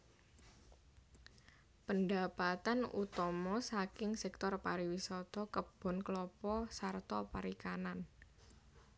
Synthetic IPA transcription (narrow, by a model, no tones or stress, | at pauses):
pəndapat̪anut̪ɔmɔsakɪŋsɛk̚t̪ɔrpaɾiwisɔt̪ɔkəb̥ɔ̤nklɔpɔsart̪ɔpaɾikanan